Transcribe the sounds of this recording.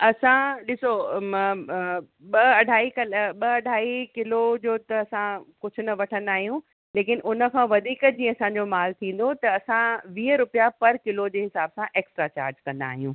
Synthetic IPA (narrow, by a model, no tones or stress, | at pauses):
ɐsãɗɪsomɐ | ɓɐɐɖʱaːikɐlɓɐɐɖʱaːikɪlod͡ʑoːt̪ɐɐsãkʊd͡ʑʱʊnɐʋɐʈʰə̃nd̪aːɦijũ | leːkɪnʔʊnə̆kʰãːʋɐd̪ʱiːkd͡ʑĩːə̃ɐsãɲd͡ʑomaːlt̪ʰĩːn̆d̪ot̪ɐːsãʋiːəɾʊpijapɐɾkɪlod͡ʑeːɦɪsaːbsãʔeːksʈɾat͡ɕa̰ːɾd͡ʑkɐ̃nd̪a̰ːɦijũː